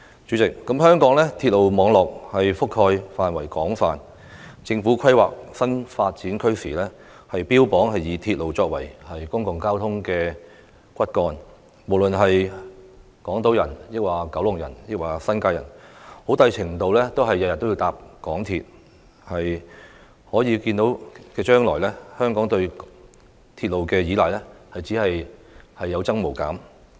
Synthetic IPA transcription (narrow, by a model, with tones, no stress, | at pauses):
t͡ʃyː˨˥t͡sɪ˨kːɐ˨˥mhœː˥ŋkɔː˨˥ŋlɛː˥t̪ʰiː˧t̚lo˨wmɔː˨˧ŋlɔː˨k̚hɐ˨jfʊ˥k̚t̪ʰɔː˧jfaː˨nwɐ˨˩jkɔː˨˥ŋfaː˨n | t͡sɪ˧ŋfu˨˥kʰɐ˥jwa̰ː˨k̚sɐ˥nfaː˧t̚t͡siː˨˥nkʰɵ˥ɥsiː˨˩lɛː˥hɐ˨jpiː˥wpɔː˨˥ŋɦɐ˨jːiː˨˧˥t̪ʰiː˧t̚lo˨wt͡sɔː˧k̚wɐ˨˩jhɐ˨jkʊ˥ŋkʊ˨ŋkaː˥wt̪ʰʊ˥ŋkɛː˧ | kʷɐ˥t̚kɔː˧n | mo˨˩wlɵ˨nɦɐ˨j | kɔː˨˥ŋt̪o˨˥wjɐ˨˩njɪ˥k̚waː˨˩kɐ˨˥wlʊ˨˩ŋjɐ̰˨˩njɪ˥k̚waː˨˩sɐ˥nkaː˧jɐ˨˩nho˨˥wt̪ɐ˧jt͡sʰɪ˨˩ŋt̪o˨˧wlɛː˥t̪o˥wɦɐ˨jːtjɐ˨˩t̪ːo˥jiː˧wt̪aː˧p̚kɔː˨˥ŋt̪ʰiː˧t̚ | hɐ˨j | hɔː˨˥jiː˨˧kiː˧nt̪o˨˥wkɛː˧t͡ʃœː˥ŋlɔː˨˩jlɛː˥hœː˥ŋkɔː˨˥ŋt̪ɵ˧ɥ | t̪ʰi˧t̚lo˨wkɛː˧jiː˨˥laː˨jlɛː˥hɐ˨jt͡siː˨˥hɐ˨j | hɐ˨jːɐ˨˧wt͡sɐ˥ŋmo˨˩wka̰ː˨˥m